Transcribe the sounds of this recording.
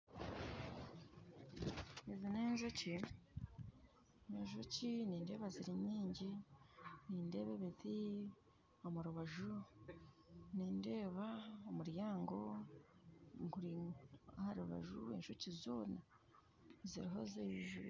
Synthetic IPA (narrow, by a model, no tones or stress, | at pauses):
ezineːnʒoci | neɲʃociniːnde̞ːβaziɾiɲiːɲɟi | niːnde̞ːβeβeti | o̞muɾuβaʒu | niːnde̞ːβaomuɾjaːŋɡo̞ | ŋkuɾiahaɾuβa̰ʒuḛnʃucizoːna | ziɾiɦo̞zeiʒṵ